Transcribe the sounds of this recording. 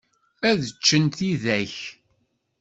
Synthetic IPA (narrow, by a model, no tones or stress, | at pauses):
æðət͡ʃːənt̪iðæç